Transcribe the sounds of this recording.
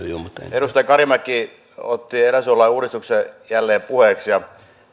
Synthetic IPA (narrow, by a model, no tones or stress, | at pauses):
jomut̪eɾust̪ɑjɑkɑrjɑmækːˑiː | ot̪ːieræsuolːˑɑiuːɾist̪uksejælːeːpuheˑksjɑ